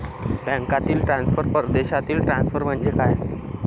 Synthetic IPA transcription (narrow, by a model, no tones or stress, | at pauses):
bɛ̃ŋkat̪iːlʈɾãnsfʰəɾpəɾd̪eɕat̪iːlʈɾansfʰəɾm̤əɳd͡ʑekaj